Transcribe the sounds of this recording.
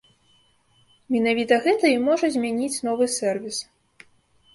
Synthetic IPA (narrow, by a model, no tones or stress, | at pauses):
mʲɛnavʲit̪ɐɣɛt̪ɐimɔʐɐzʲmʲanʲit͡sʲnɔvɨsʲɛrvʲis